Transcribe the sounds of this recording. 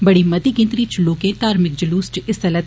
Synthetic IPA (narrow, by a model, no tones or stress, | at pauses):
bɐɽimɐt̪iɡɪ̃nt̪ɾit͡ʃʊloːkẽt̪aːɾmɪk̚d͡ʒɐluːsʈɪst̪ɐlət̪